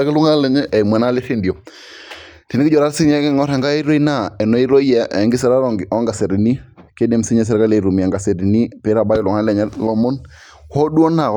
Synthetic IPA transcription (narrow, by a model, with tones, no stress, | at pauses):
a˦kɪ˦lu˦ŋa˦lɛ˨ɲɛ˦ʔɛ˨mɛ˨na˦le˦ɾi˦ndi˨o˨ | ti˨nɪ˦ɪ˦ɔ˨ɾa˦ɾsi˦n˦ɛ˦kɛ˦ŋɔ˦ɾɛ˨ŋɡa˦ɛ˦ɾo˦i˦na˦ɛ˨nɔ˦i˦ɾo˦i˦ja˦ɛ˨ŋɡɪ˦s̬ɛ˦ɾa˦ɾɔ˦ɡɔ˦ŋɡa˨se˨ɾi˨ni˦ | ke˦de˨msi˦ɲɛ˦s̬ɛ˦ɾka˦le˨ɾu˨mi˨a˨ŋɡa˨se˨ɾi˨ni˦pe˦ɾa˨ba˦ɪ˦lʊ˨ŋa˦lɛ˨ɲɛ˦lɔ˦mɔ˦n | hɔ˦du˦ɔ˦na˨